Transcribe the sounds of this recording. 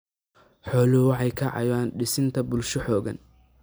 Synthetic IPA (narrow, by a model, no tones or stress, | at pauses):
ħɔːlʊhʊwɑħɑjkʰɐʕɑ̰jaːnɖɪsɪnt̪ʰɐbʊlʃɐħɔːɣɐ̰n